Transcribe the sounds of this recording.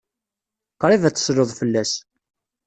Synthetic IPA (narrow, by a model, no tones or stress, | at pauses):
qɾˤivæt͡sːə̥sloðˤfəlːæs